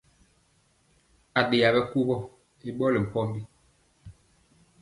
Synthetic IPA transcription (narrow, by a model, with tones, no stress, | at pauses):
a˨ɗe˨a˨bɛ˦ku˦bɔ˦ | i˦ɓɔ˦li˨m̩˨pɔ˦mbi˦